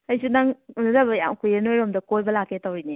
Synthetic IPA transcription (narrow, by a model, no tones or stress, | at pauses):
ɐjsunaŋunɐɾɐbɐja̰ŋkujenojɾomdɐkojbɐlakʰːetawɾini